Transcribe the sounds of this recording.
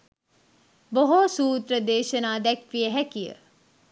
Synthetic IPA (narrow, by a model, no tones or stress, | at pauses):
boɦosuːt̪ɾɐd̪eːʃənaːd̪ɐkʋijəɦɛkijə̰